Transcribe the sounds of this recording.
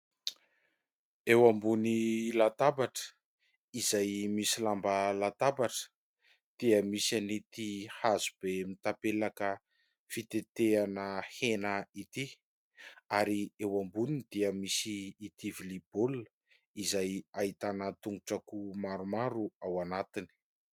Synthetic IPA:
ewambunilat̪abaʈ͡ʂə̥ | izajmisilambəlat̪abaʈ͡ʂə̥ | d̪̥iəmisanit̪ihazub̥emit̪apelakə | fit̪et̪eanəhenəit̪i | aɾiewambunid̪̥iəmisiːt̪ivilibol | izajait̪anət̪uŋuʈ͡ʂakumaɾumaɾuawanat̪ini̥

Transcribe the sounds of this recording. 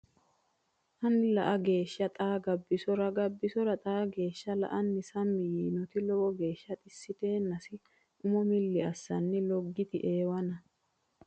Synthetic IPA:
hɐnɪlɐ̰ʔɐɡe̞ːʃːɐt̪ʼaːɡɐbːɪsɔɾɐɡɐbːɪsɔɾɐt̪ʼaːɡe̞ːʃːɐlɐ̰ʔɐnːɪsɐmːɪjiːnɔt̪ɪlɔwɔɡe̞ːʃːɐt̪ʼɪsːɪt̪e̞ːnːɐsɪ | ʔʊmɔmɪlːɪɐsːɐnːɪlɔɡːɪt̪ɪʔe̞ːwɐnɐ

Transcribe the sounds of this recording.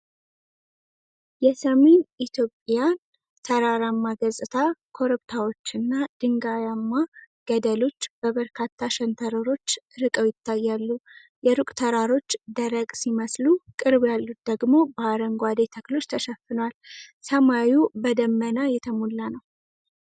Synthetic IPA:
jɛsəme̞nit̪ʰjo̞pʼjan | t̪ʰəɾaɾamːaɡəzʼɨt̪ʰakʰo̞ɾɨbt̪ʰawo̞t͡ʃːɨnːad̪̥ɨŋɡajamːa | ɡ̥əd̪əlo̞t͡ʃːb̥əβəɾkʰat̪ːaʃɛnt̪ʰəɾəɾo̞t͡ʃːɾɨkʼəwjɪt̪ːajːalːu | jɛɾukʼt̪ʰəɾaɾo̞t͡ʃːd̪əɾəɡʼsiməslukʼɨɾbjalːut̪̚d̪əɡmo̞bəaɾəŋɡʷad̪e̞t̪ʰəklo̞t͡ʃːt̪ʰəʃəfɨnwalsəmawjubəd̪əmːənajɛt̪ʰəmulːanəw

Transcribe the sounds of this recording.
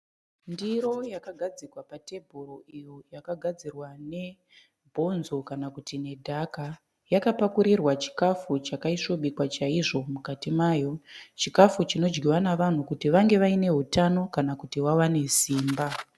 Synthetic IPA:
ndiɾo̞jakaɡʱad͡zikwapate̞bʱuɾoijojakaɡʱad͡zirwane̞ | bʱo̞nzo̞kanakutine̞dʱaka | jakapakuɾirwat͡ʃi̥kafut͡ʃakaiʂo̞ɓikwat͡ʃaiʐo̞mukatimaːjo̞t͡ʃikafut͡ʃino̞d͡ʒɡiwanaʋan̤ukutiʋaŋɡe̞ʋaine̞ɦutano̞kanakutiwawane̞siːmba

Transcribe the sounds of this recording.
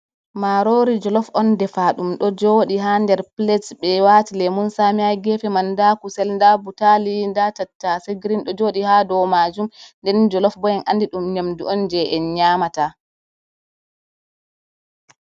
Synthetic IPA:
maɾoɾid͡ʒɔlɔfɔndɛfaɗumɗɔd͡ʒoɗiɦandɛɾplɛsɓɛwatilɛmunsamiajɡɛfɛmandakusɛlndabutalindatatːasɛɡɾinɗɔd͡ʒoɗihaːdɔwmad͡ʒumndɛnd͡ʒɔlɔfbɔjɛnʔandiɗumɲamduʔɔnd͡ʒɛʔɛɲaːmata

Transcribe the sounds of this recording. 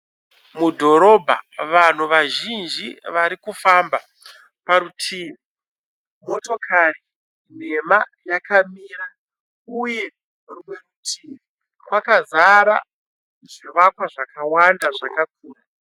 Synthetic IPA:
mudʱo̞ɾo̞bʱa̰ʋan̤uʋaʒind͡ʒiʋaɾikufamba | paɾutʰiːmi | mo̞to̞kʰari | n̤emajakamiːra | uje | rumerutʰiːm | kwakazaɾa̰ | ʐiʋakwaʐakawandaʐakak̚ʰuːna

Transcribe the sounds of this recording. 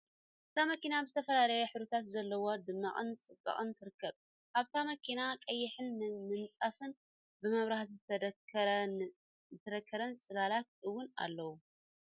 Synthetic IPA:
ʔʔɨt̪ʰamɐkinabɨzɨt̪ʰɐfɐlalɐjɛħɨβɾit̪ʰat̪zɐlːɐwod̪ɨmːa̰χʼɨ̰nt͡sʼɨbːɐ̰χʼɨnt̪ʰɨɾɨkːɐβ | ʔaβt̪ʰamɐkʰinakʼɐjːɪħɨnmɨnt͡sʼafɨn | bɨmɐβɾaħt̪ɨt̪ | zɨt̪ʰɐd̪ɐkʰːɐɾɐnt͡sʼɨlalat̪̚ʔɨwʊna̰lːɐwu

